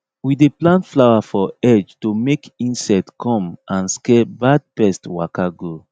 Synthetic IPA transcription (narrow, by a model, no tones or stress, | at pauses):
wideplãntflawafɔɛd͡ʒtomekĩnsɛtkʰɔ̃mʔãnskɛbad̚pɛstwakaɡo